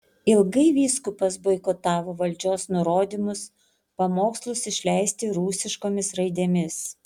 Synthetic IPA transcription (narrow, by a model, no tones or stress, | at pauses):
ɪlˠɡɐɪʋʲiːskʊpɐsbɐɪkot̪ɑːʋoːʋɐlʲd͡ʒʲoːsnʊɾoːd̪ʲimʊs | pɐmoːkslˠʊsɪʃʲlʲɛɪsʲt̪ʲɪɾuːsʲɪʃkoːmʲɪsɾɐɪd̪ʲeːmʲɪs